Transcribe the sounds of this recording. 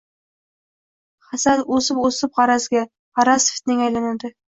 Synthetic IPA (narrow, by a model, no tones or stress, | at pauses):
χasad̪osɪposɪp̚qɑɾasɡʲa | ʁɑɾasft̪nɪŋajlanad̪ɪ